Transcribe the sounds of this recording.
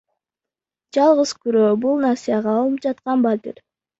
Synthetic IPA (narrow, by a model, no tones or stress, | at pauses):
d͡ʒɑlˠʁəz̥kyɾøːbulˠnasijɑʁɑːlˠɯp̚d͡ʒɑt̪qɑnbat̪ʲḭɾ